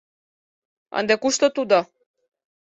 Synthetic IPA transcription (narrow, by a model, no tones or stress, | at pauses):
ɑ̰nd̪ekuʃt̪ot̪ud̪o